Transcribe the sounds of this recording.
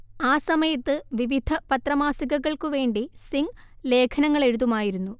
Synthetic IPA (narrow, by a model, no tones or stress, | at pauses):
aːsɐmɐjɐt̪ːɨʋiʋid̪ʱɐpɐt̪rɐmaːsiɣɐɣɐɭkuʋe̞ːɳɖisiŋle̞ːkʰɐnɐŋːɐɭe̞ɽuðumaːjiɾunːu